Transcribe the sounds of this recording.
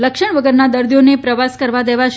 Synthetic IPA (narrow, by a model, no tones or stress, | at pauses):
ləkʃəɳ̃ʋəɡəɾnad̪əɾd̪ijonepɾəʋaskəɾʋad̪eʋaʃ